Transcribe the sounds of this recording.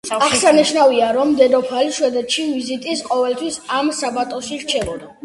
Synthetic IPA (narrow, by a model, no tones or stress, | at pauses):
aχsaniʃnaviaɾɔmd̪ɛd̪ɔpʰaliʃwɛd̪ɛt̪ʃivizit̪ʼisqʼɔvɛlt̪ʰwisamsabat̪ʼɔʃiɾt͡ʃʰɛlɔd̪a